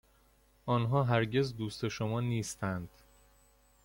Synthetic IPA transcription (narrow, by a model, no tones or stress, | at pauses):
ʔɒːnɦɒːɦæɾɟe̞zd̪uːst̪e̞ʃomɒːniːst̪ʰænd̪̥